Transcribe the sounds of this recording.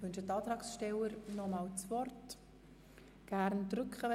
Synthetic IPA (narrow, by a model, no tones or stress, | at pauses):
ʋʏnʃətɑːt̪ɾɑːksʃtɛləɾnɔmɑːlt͡svɔrt | ɡ̥æɾndrʏkχəʋɛ